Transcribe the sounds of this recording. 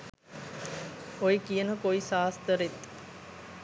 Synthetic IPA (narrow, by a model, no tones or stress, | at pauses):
ojikijənəkoisaːst̪əɾet̪ː